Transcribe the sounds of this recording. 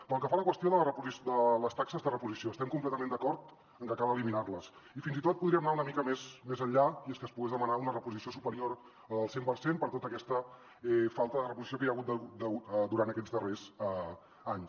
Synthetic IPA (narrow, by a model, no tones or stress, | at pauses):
pəlˠkəfaləkwəst̪ioðələrəpuzisd̪ələst̪aksəzðərəpuzisioəst̪ɛmkump̬lɛt̪əmẽnd̪əkɔɾt̪ | əŋkəkalˠəliminarləs | ifinzit̪ot̪̚puðɾiəmnaunəmikəmesmezəɲʎaieskəspuɣezðəmənaunərəpuzisiosupəɾioɾ | əəlˠsempəɾsempəɾt̪ot̪əkɛst̪ə | ɛfalˠt̪əðərəpuzisijokəjəɣut̪̚d̪əɣud̪əɣut̪d̪uɾant̪əkɛd͡zðərez | aɲs